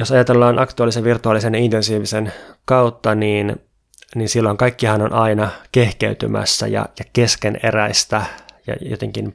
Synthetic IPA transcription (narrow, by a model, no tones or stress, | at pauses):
josɑjɑt̪elːɑːnʔɑkt̪uɑlːˑiseʋʋirt̪uɑlːisenjɑint̪ensiːʋisenkɑwt̪ːɑniːn | ninsilːo̞iŋkɑikːihɑnonʔɑinɑke̞hkḛyt̪y̰mæ̰sːæ̰jɑ̰jɑkeskenḛɾæist̪æjɑ̰jo̰t̪eŋkin